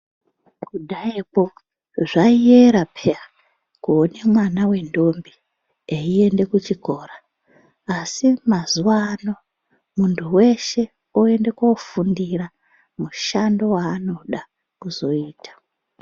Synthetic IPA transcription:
kuɗaipo̞ | ʐaieɾapʰea | kuone̞mwanawe̞ndo̞mbi | eie̞nde̞kut͡ʃiko̞ːraː | simazuwano̞ | muntʰuwe̞ʃe̞ | oe̞nde̞kofundira | muʃando̞waːno̞ɗa | kuzo̞iːtʰḁ

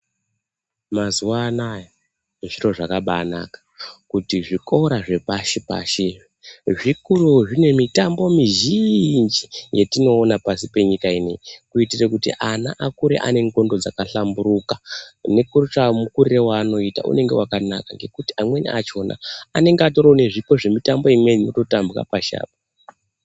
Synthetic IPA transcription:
mazuwaːnaja | ʐiro̞ʐakaɓana̰kḁkutiʐiko̞ɾaʐe̞paʃepa̰ʃe | ʐikuruʐine̞mitambo̞miʒind͡ʒijetino̞ːnapasipe̞ɲikainḛkuitirekutḭʔana̰ʔakuɾeʔa̰ne̞ŋɡo̞ndod͡zakaɬambuɾukane̞kurut͡ʃamukuɾrewaːno̞ita̰ʔṵne̞ŋɡe̞wakanakaŋɡe̞kuti̥amwe̞nḭʔat͡ʃo̞na̰ːne̞ŋɡeato̞ɾone̞ʐipo̞ʐe̞mitambo̞imwe̞nimoto̞tambura̰paʃa̰ːp̚a

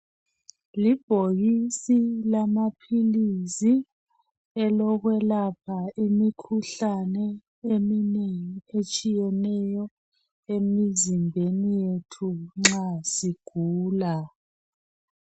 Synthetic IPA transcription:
lib̥ʱoɣisilamapʰilisi | ɛlɔɣwɛlapʰaimikʰuɬanɛ | emineŋiet͡ʃʼijɛnɛjɔ | emizimbʱenijetʰuŋ͡ǁasiɡ̥ʱuːla

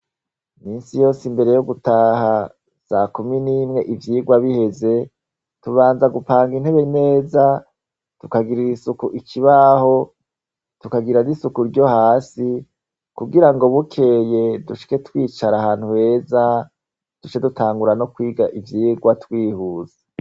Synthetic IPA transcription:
miːnsijo̞ːsimbe̞ɾe̞joɡutaːɦa | z̥aːkuminiːmŋe̞ʔivjiːɡwaβihe̞ze̞ | tuβaːnzaɡupaːŋɡin̥he̞βene̞ːza | tukaɡiɾiisukuʔikʰiβaho̞ | tukaɡiɾanisukuɾɟo̞haːsi | kuɡiɾaŋɡo̞βukʰe̞je̞duʃi̥ke̞twiːt͡ʃaɾahaːn̥huhe̞ːza | d̥ut͡ʃe̞dutaːŋɡuɾanokwiːɡaʔivjiːɡwatwiːhuːzḁ

